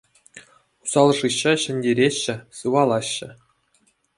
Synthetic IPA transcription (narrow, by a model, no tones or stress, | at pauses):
u̥sɑlˠʐɯɕːɑɕɘ̆nʲdʲeɾʲeɕːɘ̆sɯʋɑlˠɑɕːɘ̆